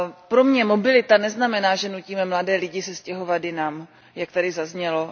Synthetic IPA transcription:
pɾo̞mɲɛmo̞bɪlɪt̪anɛznamɛnaːʒɛnuciːmɛmladɛːlɪɟɪsɛscɛɦo̞vadɪnaːm | jak̚t̪adɪzazɲɛlo̞

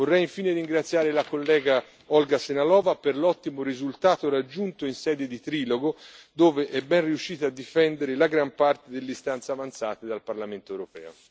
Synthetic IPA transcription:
vorːɛjiɱfiːneɾiŋɡɾat̪sːjaːɾelakolːɛːɡa | ɔlɡasenalɔːvaperlɔt̪ːimoɾizult̪aːt̪oɾad͡ʒːunt̪oinsɛːd̪ed̪it̪ɾiːloɡod̪oːveʔɛbːɛnriuʃːiːt̪aːd̪ːifɛnd̪eɾelaɡɾampart̪ed̪elːest̪ant̪savant̪saːt̪ed̪alparlament̪oɛwɾopɛ̰ːo̰

